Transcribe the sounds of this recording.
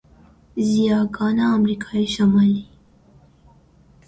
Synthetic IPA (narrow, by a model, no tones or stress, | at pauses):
zijɑɡɑnaːmɾikʰɑiʃamɑli